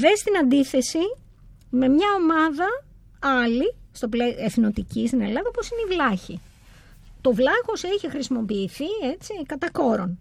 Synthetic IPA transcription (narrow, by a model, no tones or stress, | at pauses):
ðest̪inɐnd̪iθe̞si | me̞mɲɐo̞mɐðɐ | ɐlist̪o̞pleeθno̞t̪icist̪ine̞lɐðɐopo̞sineivlɐçi | t̪o̞vlɐɣo̞seçixɾisimo̞piːθiet͡sikɐt̪ɐko̞ɾo̞n